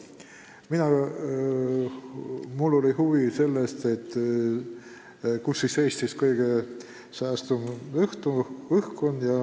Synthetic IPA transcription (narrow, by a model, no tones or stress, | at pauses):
minɑ | mulːo̞lihuvise̞lːest̪e̞t̪ːˑ | kusːiseːst̪iskɤjɡ̥e | sɑːst̪umɯht̪uɯhkunjɑ